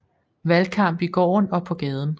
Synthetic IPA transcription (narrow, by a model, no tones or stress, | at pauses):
ʋælkʰɑ̈m̰b̥iɡ̥ɒ̰ːnɒ̽pʰɒ̽ɡ̥ɛːð̞ˠn̩